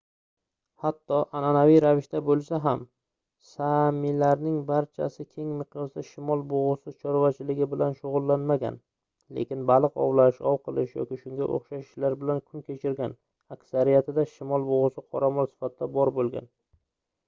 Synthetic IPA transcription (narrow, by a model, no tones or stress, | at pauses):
hat̪ʰːɒʔananavijɾavɪʃt̪abolˠsaɦam | samilaɾnɪŋbaɾt͡ʃʰa̰sɪkʲʰe̞ŋmɪqjɒsd̪aʃɪmɒlˠboʁʊsɪt͡ʃʰɒɾvat͡ʃʰɪlɪɡʲɪbɪlanʃʊʁʊlˠːanmaɡʲa̰n | lḛkʲɪnbalˠɨqɒ̰wlaʃɒwqʰɨlˠɪʃjɒ̰kʲɪʃʊŋɡʲaʔo̰χʃaʃɪʃlaɾbɪlankʲʰʊnkʲʰe̞t͡ʃʰɪɾɡʲan | akʲsaɾijat̪ʰɪd̪aʃɪmɒlˠboʁʊsɪqʰɒɾamɒlsɪ̥fat̪̚ʰɪd̪abɒɾbolˠɡʲa̰n